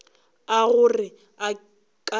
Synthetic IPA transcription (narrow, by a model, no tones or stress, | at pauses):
aɣʊrɪ | a | kʼa